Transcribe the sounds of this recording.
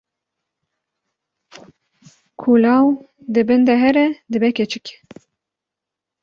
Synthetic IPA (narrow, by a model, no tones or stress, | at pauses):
kʰulɑːw | d̪ɨbɨnd̪ɛɦɛɾɛd̪ɨbɛkʲɛt͡ʃʰɪkʲ